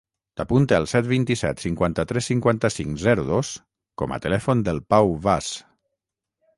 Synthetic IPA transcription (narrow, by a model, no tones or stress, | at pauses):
t̪apunt̪eəlˠsɛt̪̚βint̪isɛ̰t̪siŋkwant̪ət̪ɾɛsːiŋkwant̪əsiŋzɛɾuðos | kɔmə̰t̪əlɛfond̪əlˠpawβas